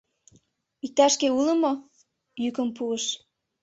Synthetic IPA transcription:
ik̚t̪ɑʃkeuləmo | jykəmpuəʃ

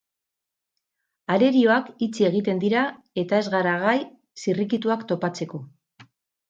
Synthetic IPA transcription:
aɾe̞ɾio̞akit͡sie̞ɣ̞it̪e̞nd̪iɾa | e̞t̪ae̞zɣaɾaɣaj | sirikit̪uakt̪o̞pat͡se̞ko̞

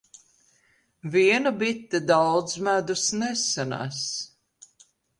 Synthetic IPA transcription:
viɛnabit̪ːed̪awd̪zmæd̪usnɛsana̰s

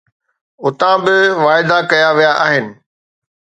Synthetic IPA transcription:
ʊt̪ãbɪʋaːɪd̪akɐjaʋijaʔaːɦɪnɪ̆

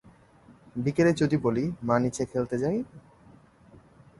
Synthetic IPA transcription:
bikeɾet͡ɕod̪ibolimanit͡ɕʰekʰelt̪ed͡ʑaj

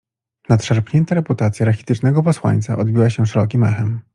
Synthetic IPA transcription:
nat̪ʂaɾpɲɛnt̪aɾɛput̪at̪sʲjaɾaxʲi̥t̪ɘt͡ʂnɛɡɔpɔswa̰ɲt̪sa̰ʔɔd̪bʲiwaɕɛʂɛɾɔk̬ʲimɛxɛm

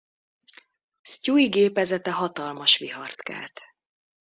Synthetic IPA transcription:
scuiɡeːpɛzɛt̪ɛɦɒt̪ɒlmɒʃʋiɦɒrt̪ka̰ːlt̪

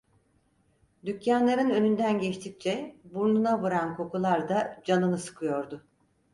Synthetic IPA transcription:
d̪ycjanlˠaɾɯnø̞nynd̪ænɟɛt͡ʃt̪ʰic̚t͡ʃʰɛbuɾnunaβɯɾankʰo̞kulˠaɾd̪ad͡ʒanɯnɯsɯ̥kʰɯjo̞ɾd̪ʊ

